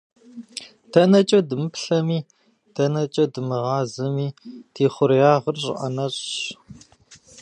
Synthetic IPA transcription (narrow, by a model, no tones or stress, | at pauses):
tʰɐnɐt͡ʃʼɐdɨmɨpɬɐmiː | tʰɐnɐt͡ʃʼɐdɨmɨʁɑːzɨmiːtʰeːχʷʊrjaːʁərɕʼɪ̰ʔɐ̰nɐɕʼɕ